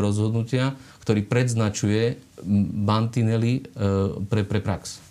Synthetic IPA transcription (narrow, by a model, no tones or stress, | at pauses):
ɾɔzɦɔd̪nucɪakt̪ɔɾiːpɾɛd̪znat͡ʃujɛ | bant̪inɛli | pɾɛpɾɛpɾaks